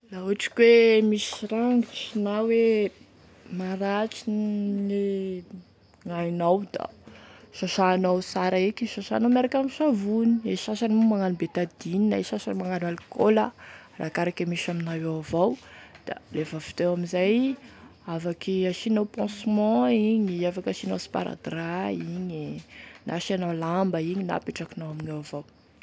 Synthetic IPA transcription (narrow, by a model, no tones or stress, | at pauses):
lauʈ͡ʂi̥kwemisiɾaŋɡiʃinawwe | maɾaʈ͡ʂinle | ŋajnawd̪a̰ʃaʃaːnawsaɾaekiʃaʃa̰ːnamaɾakʲamiʃavunieʃaʃanimumaŋanibet̪ad̪ininaeʃasanimaŋanalikoləra̰kaɾakamiʃaminawewavawd̪̥a̰lefəfi̥t̪ewaminzaj | avakiaʃinawpɑ̃smɑ̃iɲiafakaʃinawsi̥pa̰ɾa̰d̪raiɲinʔa̰ʃianawlambəiɲina̰piʈ͡ʂakinawaminawavaw